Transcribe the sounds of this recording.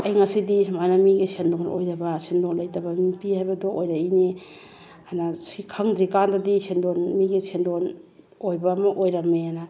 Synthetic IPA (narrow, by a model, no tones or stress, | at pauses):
ɐjŋasidismajnamiɡesendoŋo̰jdabasendonlajtabamipihajbɐdoʔojɾaine | anasikʰaŋzikandadisendonmiɡesendon | ojbamɐʔojɾameana